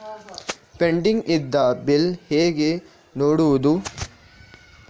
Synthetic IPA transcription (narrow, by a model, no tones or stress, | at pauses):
peɳɖiŋɡid̪ːɐbilheːɡe | noːɽuʋɐd̪u